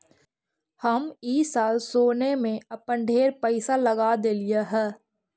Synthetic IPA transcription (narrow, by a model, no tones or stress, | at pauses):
həmiːsaːlsoːnemẽɐpə̃ɳɖʱeːɾpɛɪsalɐɡaːd̪eːlijaɦɛː